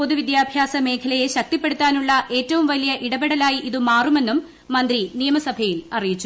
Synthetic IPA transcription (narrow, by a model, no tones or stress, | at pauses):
po̞ðuʋid̪jaːbʱjaːsɐme̞ːkʰɐlɐje̞ɕɐk̚t̪ipːe̞ɽut̪ːaːnuɭːɐʔe̞ːtːɐʋumʋɐlijɐʔiɽɐbeɽɐlaːjiʔiðɨmaːrume̞nːumː | ɐnd̪rinijɐmɐsɐbʱɐjilɐrijit͡ɕːu̥